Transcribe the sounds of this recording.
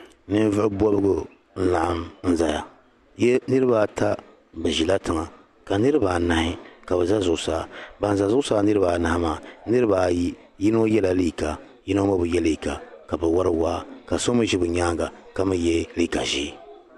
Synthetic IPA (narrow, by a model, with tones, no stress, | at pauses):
nɨ˦n˦vɨ˦ʊ˦bɔ˦bɨ˦ɡʊ˨ | n̩˦la˨ʔa˦mn̩˦za˨ja˨ | jɛ˦nɨ˦ɾɨ˦baː˦˨ta˦ | bɛ˨ʒi˨la˦tɨ˨ŋa˨ | ka˨nɨ˦ɾɨ˦baː˨na˨hɪ˦ka˨bɛ˨za˦zʊ˨ʔʊ˦˨saː˨˦ba˨n˨za˨zʊ˦ʔʊ˦saː˦nɨ˦ɾɨ˦baː˨na˨a˦maː˨nɨ˦ɾɨ˦baː˨ji˦ | ji˦no˦jɛ˦la˨li˦˨ka˨ | jɪ˦no˦ma˦bɨ˨jɛ˦li˦˨ka˨ka˨bɛ˨wa˦ɾɨ˦waː˦ka˨so˦mɨ˦ʒi˦bɨ˨ɲaː˦ɡa˨ka˦mɨ˦jɛ˦li˦˨ka˨ʒi˦